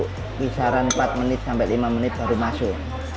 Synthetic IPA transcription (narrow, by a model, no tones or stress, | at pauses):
kisaɾanpat̪̚mənɪt̪̚sampɛlimamənɪt̪̚b̥a̤ɾumasʊ